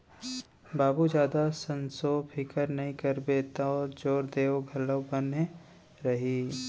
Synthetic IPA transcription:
baːbud͡ʒjaːd̪asə̃nsopʰɪkəɾnɐɦĩkəɾbet̪aɔːɾd͡ʒoːɾd̪eːoɡʱɐləwbənɦe | ɾɐɦi

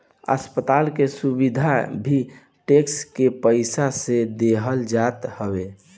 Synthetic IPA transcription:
ə̰spət̪aːlkesubid̪ʱabʱi | ʈekskepəɪsased̪eɦəld͡ʒat̪həbe

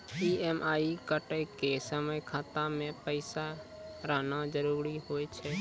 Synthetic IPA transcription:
iemʔaikəʈəjkesəməjkʰat̪amẽpəɪsaɾəɦnad͡ʒəɾuɾihojt͡ʃʰɛ

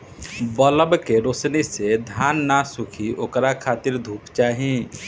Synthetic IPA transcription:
bələbkeɾosnised̪ʱjanːasukʰiʔokɾakʰat̪iɾd̪ʱuːpt͡ʃaːɦi

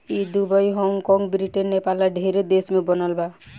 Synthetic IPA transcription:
id̪ubəjɦɔŋkɔ̃ŋɡbɾiʈenːepalaɖʱeɾed̪esmẽbɔnalba

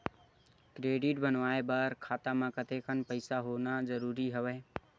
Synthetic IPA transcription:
kɾeɖiʈ̚bənʋaebəɾkʰat̪amãkət̪ekʰənpəɪsaɦonad͡ʒəɾuɾiɦəwɛ

